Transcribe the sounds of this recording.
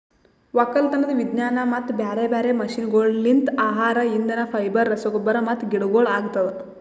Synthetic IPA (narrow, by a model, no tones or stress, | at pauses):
ʋɐkːɐlt̪ɐnːɐd̪ɐʋid̪naːnɐmɐt̪ːbjaːɾebaːɾemɐʃinɡoːɭlint̪aːɦaːɾɐind̪ɐnɐpʰɐjbɐɾːɐsɐɡɔbːɐɾɐmɐt̪ɡiɽuɡoːɭaːɡt̪ːɐd̪e